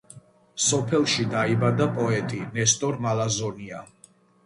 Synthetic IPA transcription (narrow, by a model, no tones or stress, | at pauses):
sɔpʰɛlˠʃid̪aibad̪apʼɔɛt̪ʼinɛst̪ʼɔɾmalazɔnia̰